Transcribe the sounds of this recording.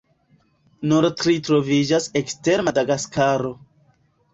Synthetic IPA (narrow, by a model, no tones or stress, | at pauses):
nuɾtɾitɾo̞vid͡ʒasekste̞ɾmadaɡaskaɾo̞